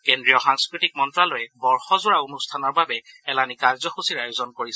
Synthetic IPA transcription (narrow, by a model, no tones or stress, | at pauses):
kendɹijɔxaŋskɹitik̚mɔntɹalɔjɛbɔɹxɔzʊɹaunustʰanɔɹbabɛɛlanikaɹzɔxusiɹajozɔnkoɹisɛ